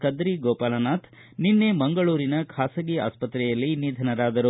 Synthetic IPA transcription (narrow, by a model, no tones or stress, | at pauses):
kɐd̪ɾiɡɔːpaːlɐnaːt̪ʰ | ninːemɐŋɡɐɭuːɾinɐkʰaːsɐɡia̰ːspɐt̪ɾɛjɐlːinid̪ʱɐnɐɾaːd̪ɐɾu